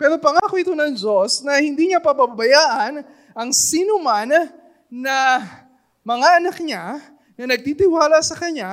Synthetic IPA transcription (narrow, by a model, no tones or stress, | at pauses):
pɛːɾo̞pɐŋaːkoʔɪt̪o̞nɐŋd͡ʒosnɐhɪnd̪iɲapɐbɐbbɐjaːʔɐn | ʔɐŋsiːnomanː | ɐ | mɐŋaʔɐnɐk̚ɲa | nɐnɐɡ̚t̪it̪ɪwaːlɐsɐkɐɲa